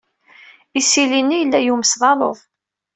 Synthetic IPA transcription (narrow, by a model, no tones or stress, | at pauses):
isilinːijəlːæjuməsðˤɑlˤo̰ðˤ